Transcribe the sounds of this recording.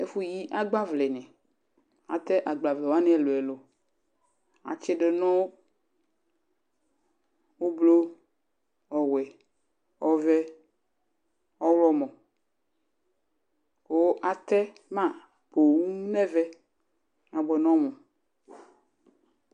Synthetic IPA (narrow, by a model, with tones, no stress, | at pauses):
e˦fu˦ji˦ʔa˦ɡ͡ba˦vle˨nɛ̃˨ | a˨t̪ɛ˦ʔa˨ɡ͡ba˨vle˨wo˦a˦nɛ̃˦˨lo˨ɛ˨lo˨ | a̰˨t͡ʃe˦ɖe˨nɔ̃˦ | wo˦blo˦ | ɔ˨wɛ˨ | ɔ˦vɛ˦ | ɔ˦wlɔ˦mɔ̃˨ | wo˦ʔa˨t̪ɛ˦ | mã˦ | po˨ŋu˦u˦nɛ̃˦vɛ˦ | a˨ɡ͡bɔ˨nɔ̃˦mɔ̃˨